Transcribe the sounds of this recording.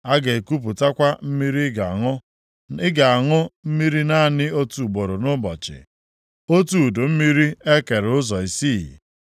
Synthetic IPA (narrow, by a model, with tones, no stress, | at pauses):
a˦ɡe˨ku˦p̬ʊ˨ta˦kʷa˦m̩˦mi˦ɾi˦ɡa˨ŋʊ˦ | ɪ˦ɡa˨a˨ŋʊ˦m̩˦mi˦ɾi˦na˦˨nɪ˦o˦tu˨ɡ͡bo˨ɾo˨nʊ˦bɔ̰˨t͡ʃɪ̰˨ | o˦tu˦˨do˨m̩˦mi˦ɾi˦e˦ke˨ɾʊ˦zɔ˨i˨si˦˨